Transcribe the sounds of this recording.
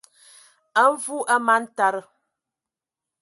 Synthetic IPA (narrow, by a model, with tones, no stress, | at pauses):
ə˦ɱ˦vu˦ʔə˦ma˦n̩˦ta˨ɾə˨